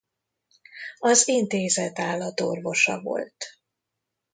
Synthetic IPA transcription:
ɒzint̪eːzɛt̪aːlːɒt̪orvo̞ʃɒ̰vo̞̰lt̪

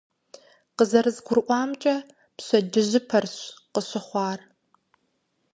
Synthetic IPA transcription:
qəzɐɾɨzɡʷʊɾʔʷɑːmt͡ʃʼɐ | pɕɐdɪʑɪpʰɐrɕqəɕɪχʷɑːr

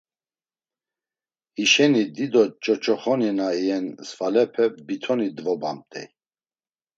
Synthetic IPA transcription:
iʃɛnid̪id̪ɔt͡ʃʼɔt͡ʃʼɔχɔninaiɛnsfalɛpʰɛbit̪ʰɔnid̪vɔbamt̪ʼɛ̰j

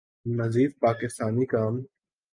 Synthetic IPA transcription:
nəziːd̪̚paːkɪst̪aːnikaːm

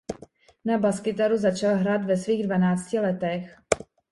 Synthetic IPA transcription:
nabaskɪt̪aɾuzat͡ʃalɦɾaːt̪vɛsviːɣdvanaːt͡scɪlɛt̪ɛx

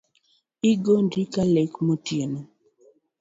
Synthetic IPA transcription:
iɡondikalekmotjeno

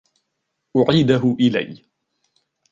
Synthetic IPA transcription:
ʔʊʕiːd̪aɦʊʔɪla̰j

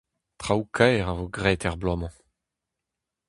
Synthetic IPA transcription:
t̪χawkʰɛːʁavoɡʁɛːt̪ɛʁblɔmɑ̃

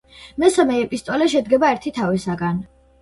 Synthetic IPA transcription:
mɛsamɛːpʼist̪ʼɔlɛʃɛd̪ɡɛbaɛɾt̪ʰit̪ʰavɛsaɡan

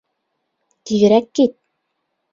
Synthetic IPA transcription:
t̪ijɘ̆ɾækːit̪̚

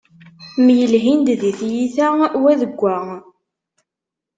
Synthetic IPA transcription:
mjəlɦind̪ðiθjiθæwæðəɡʷːæ

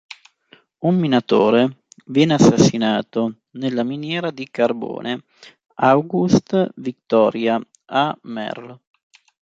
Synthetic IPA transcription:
umːinat̪oːɾevjɛːnasːasːinaːt̪o | nelːaminjɛːɾad̪ikarbo̰ːnʔe | awɡust̪vik̚t̪ɔːɾja | amɛ̰rl

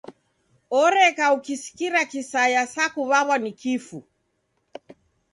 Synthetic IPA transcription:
ɔɾɛkaukisi̥kiɾakisajasakuβaβwanikifu

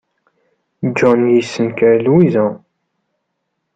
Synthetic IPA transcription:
d͡ʒɔnjisːənkəɾlwizæ

